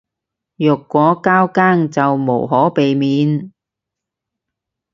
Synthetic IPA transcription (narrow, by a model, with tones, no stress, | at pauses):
jɵ˨˩kːʷɔː˨˥kaː˥wkaː˥ŋt͡sɐ˨wmo˨˩wɦɔː˨˥pe˨jmiː˨˧n